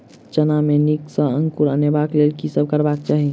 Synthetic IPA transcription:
t͡ʃənamẽniksə̃ə̃ŋkuɾənebaːkleːlkisəb̚kəɾbaːkt͡ʃaːɦi

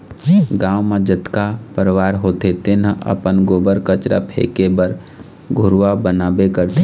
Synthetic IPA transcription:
ɡãːwmẽd͡ʒət̪kapəɾʋaːɾɦoːt̪et̪enəə̰pənɡoːbəɾkət͡ʃɾa̰pʰḛːkebəɾ | ɡʱʊɾʋabənaːbekəɾt̪e

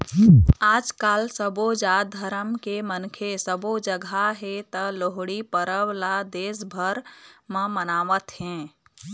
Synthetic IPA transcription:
aːd͡ʒkaːlsəbod͡ʒad̪ʱəɾəmkemənkʰesəbod͡ʒəɡʱaɦet̪əloɦɽipəɾəwlad̪eːsbʱəɾmə̃mənaːʋət̪ɦɛ̃

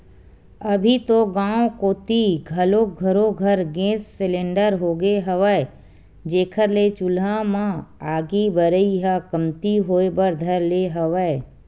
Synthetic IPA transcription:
əbʱit̪oɡãːokoːt̪iɡʱəloɡʱəɾoɡʱəɾɡẽːsːɪlẽːɳɖəɾɦoːɡeɦəʋəe | d͡ʒeːkʰəɾlet͡ʃʊlãmãaːɡibəɾəiɦakəmt̪iɦoːebəɾd̪ʱəɾleɦəʋəe

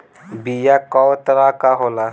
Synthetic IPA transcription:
bijakɔwt̪əɾakaɦola

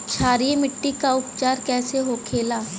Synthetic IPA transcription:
t͡ʃʰaːɾiemɪʈːikaʊpt͡ʃaːɾkɛːseɦokʰeːlaː

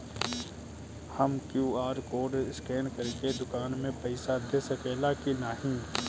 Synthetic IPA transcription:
həmkjuːaːɾkoːɾɖɪskeːnkəɾked̪ʊkaːnmẽpɛɪsad̪esəkeːlakinaːɦĩː

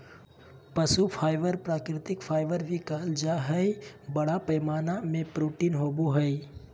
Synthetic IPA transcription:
pɐsupʰaːɪʋəɾpɾaːkɾɪt̪ɪkpʰaːɪʋəɾbʱikald͡ʒaːɦəi | bɐɽapɐjmaːnamẽpɾuːʈinɦoːbuɦəi

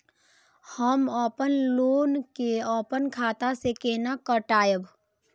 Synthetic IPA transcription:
həmɔːpənloːnkeɔːpənkʰaːt̪asekeːnakəʈaːjəb

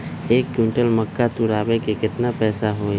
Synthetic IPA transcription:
eːkːjũːɳʈəlməkːat̪ʊɽaːbekekɪt̪napɛːsaɦoːe

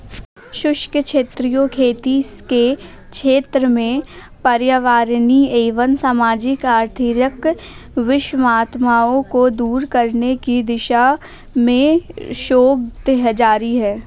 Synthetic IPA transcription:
ʃʊʃkəkʃeːt̪ɾijokʰeːt̪ike | ʃʰeːt̪ɾəmẽ | pɐɾjaʋaːɾnieːʋənsaːmaːd͡ʒɪkaːɾt̪ʰɪɾək | ʋɪʃmaːt̪maːõkod̪uːɾkəɾnekid̪ɪʃa | mẽʃoːb̚d̪ɦd͡ʒaːɾiɦɛː

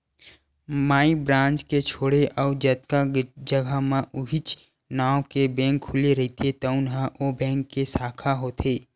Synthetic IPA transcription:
maːibɾãːnt͡ʃket͡ʃʰoːɽeʔɔːd͡ʒət̪̚kad͡ʒəɡʱamãʔʊɦɪt͡ʃ | naːwkebɛ̃ːŋkʰːʊleɾɐɦit̪ʰet̪ɔʊnɦaʔobɛ̃ːŋkːesaːkʰaɦoːt̪ʰeː

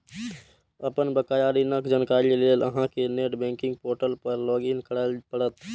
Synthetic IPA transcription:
əpənbəkajaːɾinəkd͡ʒankaːɾileːləɦãkeneːʈbɛ̃ːŋkɪ̃ŋɡ̚poːɾʈəlpəɾlɔːɡinkəɽalpəɽət̪

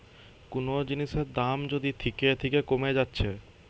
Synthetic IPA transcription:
kunod͡ʑiniʃeɾd̪amd͡ʑod̪it̪ʰiket̪ʰikekomed͡ʑatːɕʰe

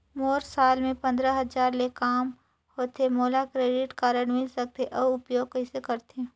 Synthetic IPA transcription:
moːɾsaːlmẽpɐ̃nd̪ɾəɦɐd͡ʒaːɾlekaːm | hoːt̪emoːlakɾeːɖɪʈkaːɾəɽmɪlsɐk̚t̪eʔɔːʊpjoːɡ̚kɐɪsekɐɾt̪e

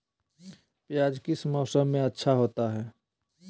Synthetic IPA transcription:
pjaːd͡ʒkɪsmɔːsə̃mmẽɐtːʃʰaɦoːt̪aɦɛː

